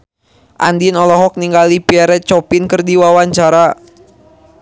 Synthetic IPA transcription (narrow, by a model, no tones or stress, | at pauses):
ʔa̰ndinɔlɔɦɔk̚niŋɡalipiaɾɛt͡ʃɔpinkɨrdiwawaɲt͡ʃaɾa